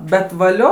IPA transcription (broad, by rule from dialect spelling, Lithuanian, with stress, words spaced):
bʲɛt ʋɐˈlʲoː